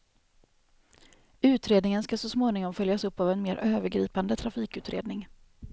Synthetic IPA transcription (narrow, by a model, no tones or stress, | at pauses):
ʉ̟ːt̪ɾeːd̪nɪŋənskasɔsmoːnɪŋɔmfœljasɵpːavɛnmeːɾʔøːvəɾɡɾḭːpand̪ət̪ʰɾafiːkʉ̟ːt̪ɾḛːd̪nɪŋ